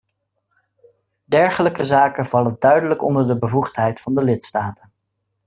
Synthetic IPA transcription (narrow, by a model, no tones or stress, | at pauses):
dɛɹχələkəzaːkənv̥ɑləndœɥdələkɔndəɹdəbəvuχtɦɛjtfɑndəlɪtstaːtən